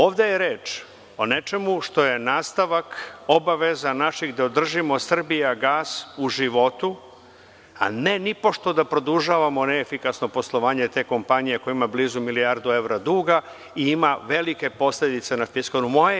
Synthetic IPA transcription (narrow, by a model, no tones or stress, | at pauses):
oːʋd̪ejeɾeːt͡ʃ | o̞ne̞t͡ʃe̞muʃt̪o̞je̞naːst̪aʋakobaʋezanaʃiɣd̪aod̪r̩ʒimo̞sr̩bijaɡaːsuʒiʋo̞t̪u | a̰ne̞nipo̞ʃt̪o̞d̪apɾo̞d̪uʒaʋamo̞neefikasno̞po̞slˠo̞ʋaːɲe̞t̪e̞ːko̞mpaɲijekojimabliːzumiliaɾd̪ue̞ʋɾad̪uːɡa | iimaʋe̞like̞po̞sled̪it̪se̞nafiskonumoje